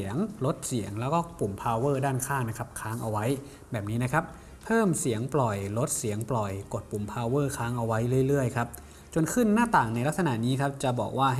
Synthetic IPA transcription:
əŋlo˦˥t̪̚si˩˦əŋlɛː˦˥wkɔː˥˩pu˨˩mpʰaː˧wɤː˥˩daː˥˩nkʰaː˥˩ŋna˦˥kʰa˦˥p̚kʰaː˦˥ŋʔa˧wa˦˥j | bɛː˨˩p̚niː˦˥na˥kʰa˦˥p̚ʰː | ɤː˥˩msi˩˦əŋplɔ˨˩jlo˦˥t̪̚si˨˩˦ŋplɔ˨˩jko˨˩t̪̚pu˨˩mpʰaː˧wɤː˥˩kʰaː˦˥ŋʔa˧wa˦˥jlɯ˥˩əjlɯ˥˩əjkʰa˦˥p̚ | t͡ɕo˧nkʰɯ˥˩nːaː˥˩t̪aː˨˩ŋna˧jla˦˥k̚sa˧na̰˧˩niː˦˥kʰa˦˥p̚t͡ɕa˨˩bɔ̰ː˨˩k̚waː˥˩

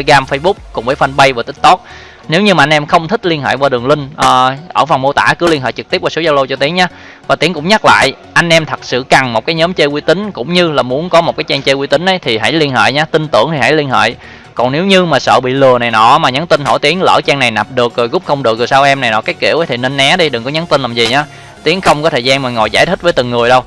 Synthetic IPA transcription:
a˧ɣaː˧mfə˧jɓʊ˦˥k͡p̚kʊ˨˩ŋ͡mvəː˨˦jfa˧nɓə˧jvaː˨˩t̪ï˦˥t̚t̪o˦˥t̚ | ne˨˦wɲɨ˧maː˨˩ʔŋnʔɛ˧mxə˧wŋ͡mt̪ʰi˦˥k̟̚li˧ənɦḛː˧˨jvaː˧˩ɗɨ˨˩əŋlï˧ŋ̟ʔəː˨˩ʔə̰ː˧˩fə˨˩ŋ͡mmo˧t̪a̰ː˧˩kɨ˨˦əli˧ənɦḛː˧˨jt͡ɕɨ˨˩k̚t̪i˦˥əp̚vːsu˨˦zaː˧wlo˧t͡ɕɔ˧t̪i˨˦əŋɲa˧˦ | vaː˨˩i˨˦əŋkʊ̰˧˥ŋ͡mɲa˦˥k̚la̰ː˧˨j | ʔa˧jŋ̟ʔɛ˧mt̪ʰə˨˩t̚sɨ̰˧˨ka˨˩ŋmo˨˩kaː˨˦jɲəː˨˦mt͡ɕə˧jkwi˧t̪ï˨˦ŋ̟kʊ̰˧˥ŋ͡mɲɨ˧laː˨˩mu˨˦ənkɔ˨˦mo˨˩t̚kaː˨˦jt͡ɕɛ˧ŋt͡ɕəː˧kwi˧t̪ï˨˦ŋ̟ʔə˨˦jt̪ʰi˨˩ɦa̰˧˥jli˧ənɦḛː˧˨jɲaː˧t̪ï˧nt̪ɨ̰˧˩əŋt̪ʰi˨˩ɦa̰˧˥jli˧ənhḛː˧˨j | kɔ˨˩nne˨˦wɲɨ˧maː˨˩sə̰ː˧˨ɓḭ˧˨lɨ˨˩əna˨˩jnɔ̰˧˩maː˨˩ɲa˨˦nt̪i˧nɦo̰˧˩jt̪i˨˦əŋlə̰ː˧˩t͡ɕɛ˧ŋna˨˩jna˨˩p̚ɗɨ˨˩ək̚zo˨˩jɣʊ˦˥p̚xə˧wŋ͡mɗɨ˨˩ək̚zɨ˨˩sa˧wʔɛ˧mna˨˩jnɔ̰˧˩˥kaː˨˦jkḭ˧˩əwə˨˦jt̪ʰi˨˩ne˧nːɛ˨˦˥ɗi˧ɗɨ˨˩ŋkɔ˨˦ɲa˨˦nt̪i˧nlaː˨˩mzi˨˩ɲaː˨˦ | t̪i˨˦əŋxə˧wŋ͡mkɔ˨˦t̪ʰəː˨˩zaː˧nma˨˩ŋɔ̰˧˨jzaː˧˩jt̪ʰï˦˥vəː˨˦t̪ɨ˨˩ŋŋɨ˨˩əjɗə˧w

